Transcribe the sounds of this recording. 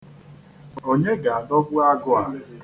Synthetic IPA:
o˦ɲe˦ɡa˨a˨nɔ˦ɡʷʊ˦a˦ɡʊ˦a˨

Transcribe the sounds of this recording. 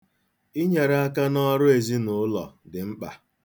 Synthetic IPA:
i˦ɲe˨ɾa˦a˦ka˦nɔ˦ɾʊ˦e˨zi˦nʊ˨˦ʊ˦lɔ̰˨dɪ˨ŋ͡m̩˦k͡pa̰˨

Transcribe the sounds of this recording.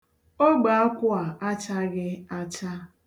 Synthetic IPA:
o˦ɡ͡ba˨a˦kʷʊ˦a˨a˦t͡ʃa˦ɡɪ˦a˦t͡ʃa˦

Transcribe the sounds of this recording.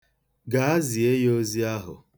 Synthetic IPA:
ɡa˨a˦zi˨e˦jo˦zi˦a˦ɦʊ̰˨

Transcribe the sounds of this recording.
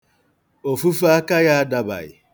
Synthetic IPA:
o˨fu˦fu˦a˦ka˦ja˦da˨ba̰˨ɣɪ̰˨

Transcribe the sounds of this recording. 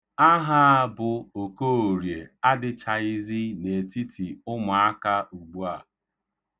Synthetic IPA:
a˦ɦa˦˨bʊ˨o˨ko˦o˨ɾje˨a˦dɪ˨t͡ʃa˨ɪ˦zi˦ne˨ti˦tʰi˨ʊ˦mʊ˨a˦ka˦u˨ɡ͡bu˦a˨

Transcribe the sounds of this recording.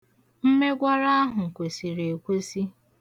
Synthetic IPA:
m̩˦me˦ɡʷa˦ɾa˦a˦ɦʊ˨ŋ̩˨kʷe˨si˨ɾe˨kʷe˦si˦

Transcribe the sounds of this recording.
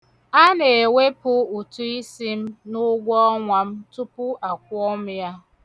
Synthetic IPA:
a˦ne˨e˨we˦pʊ˦u˨tu˦i˦si˦m̩˦nʊ˦ɡʷɔ˦ŋʷa˨m̩˦tu˦pʊ˦ʔa˨k̚ʷɔ˦m̩˦ja˦

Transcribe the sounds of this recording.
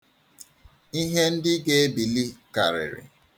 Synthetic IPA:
i˦ɦe˦n̩˦dɪ˦ɡe˦e˦bi˨li˦ka̰˨ɾɪ̰˨ɾɪ̰˨

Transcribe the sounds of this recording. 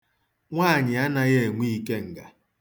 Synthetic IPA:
ŋʷaː˦˨ɲɪ˨a˦na˦ɣe˦˨e˨ŋʷi˦i˦ke˦ŋ̩˨ɡa̰˨

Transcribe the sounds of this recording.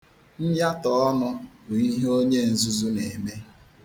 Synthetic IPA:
n̩˦ja˦tɔ˨˦nʊ˦ɾu˨i˦ɦo˦ɲe˦˨n̩˨zu˦zu˦ne˨me˦

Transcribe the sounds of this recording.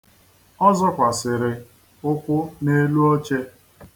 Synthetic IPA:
ɔ˦zɔ˦kʷa˨sɪ˨ɾɪ˨ | ʊ˦kʷʊ˦ne˦lu˦o˦t͡ʃe˦

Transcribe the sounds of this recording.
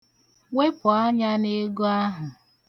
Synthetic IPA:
ŋe˦pʊ˨a˦ɲa˦ne˦ɡo˦a˦ɦʊ˨

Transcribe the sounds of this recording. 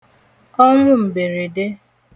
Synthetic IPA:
ɔ˦ŋʷʊ˦m̩˨be˨ɾe˨de˦

